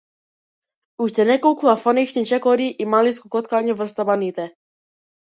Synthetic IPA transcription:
uʃt̪ɛnɛkowkuafɔniʃnit͡ʃɛkɔɾiʔimaliskukɔt̪kaɲuvrst̪abanit̪ɛ

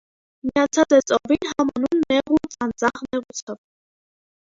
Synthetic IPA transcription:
miɑt͡sʰɑt͡sɛt͡sʼɔvinɦɑmɑnunːɛʁut͡sʼɑnd͡zɑʁnɛʁut͡sʰəv

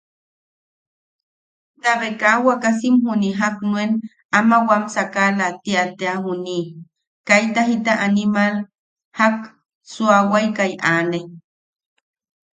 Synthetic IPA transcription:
t̪aβekawakas̬imhuniɦaknwen | amawamsakalat̪iat̪eahuni | kajt̪aɦit̪aʔanimal | hak̚ | suawajkajʔane

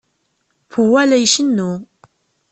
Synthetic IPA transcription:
fuwælæjʃənːu

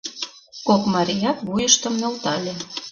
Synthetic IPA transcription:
kokmɑɾʲijɑt̪βujəʃt̪ə̆mnølt̪ɑlʲe

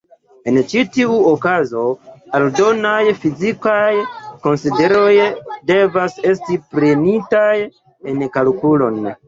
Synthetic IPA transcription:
e̞nt͡ʃitiuokazo̞aldo̞najfizikajko̞nside̞ɾo̞jde̞vase̞stipɾenitaj | enkalkulo̞n

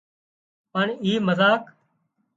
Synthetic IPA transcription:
pəɳiːməzaːk

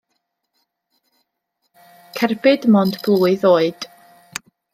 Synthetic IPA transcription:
kʰɛrbɪdmɔndblˠuːɨðoːɨd̥

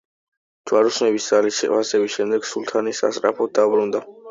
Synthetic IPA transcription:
d̪d͡ʒ̪̥waɾusnɛbisd̥̪alisɛ̰asɛviʃɛmd̪ɛɡ̥sulˠt̪ʰanisa̰st̪ʼɾa̰pʰɔd̪abɾund̪a

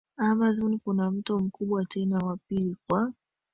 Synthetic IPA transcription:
amazɔnkunam̩tɔm̩kuɓwatɛnawapilikwa

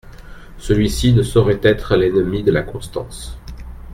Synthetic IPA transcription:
səlɥisinəsɔʁɛt̪ɛt̪χəlɛnmid̪əlakɔ̃st̪ɑ̰̃s

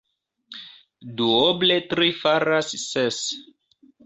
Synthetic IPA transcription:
duobletɾifaɾasːes

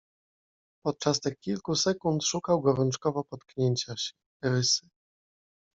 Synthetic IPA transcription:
pɔt̪̚t͡ʂast̪ɘxkʲilkusɛkunt̪ʂukawɡɔɾɔnt͡ʂkɔvɔpɔt̪kɲeɲt͡ɕaɕɛ̥ | ɾɘsɘ̥

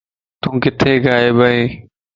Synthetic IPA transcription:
t̪ũːkɪt̪ʰeːɡaːeːbʱəĩː

